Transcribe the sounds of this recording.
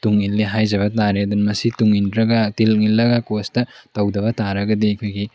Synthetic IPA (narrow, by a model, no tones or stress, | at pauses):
tuŋilːiɦajd͡ʒɐbɐtaɾeɐd̪unmɐsituŋindɾɐɡɐtilŋilːɐɡɐkostɐtɐwdɐβɐtaɾɐɡɐdiɐkʰojɡi